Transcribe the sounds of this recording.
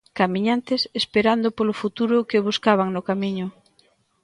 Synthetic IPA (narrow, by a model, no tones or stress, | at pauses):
kamiɲant̪ɪsespeɾand̪ʊpolʊfut̪uɾʊkɪβuskaβ̞aŋnʊkamiɲʊ